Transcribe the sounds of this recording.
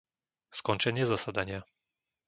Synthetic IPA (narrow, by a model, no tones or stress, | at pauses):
skɔnt͡ʃɛɲɪɛzasad̪aɲɪa